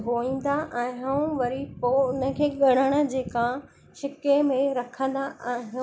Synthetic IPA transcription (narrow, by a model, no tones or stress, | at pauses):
ɦoĩːn̆d̪aʔɛ̃ːɦʋɐɾipoʊnə̆kʰeːɠɐɽ̤̃əɽ̃ə̆d͡ʑeːkã | ʃɪkemẽɾɐkʰə̃nd̪aʔaːɦɪ̃